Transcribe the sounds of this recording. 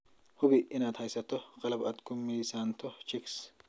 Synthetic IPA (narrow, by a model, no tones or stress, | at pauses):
hʊbɪʔɪnɐt̪hɐjsɐt̪ːɔqʼɐlɐbɐt̪kʊmːiːsant̪ɔt͡ʃɪks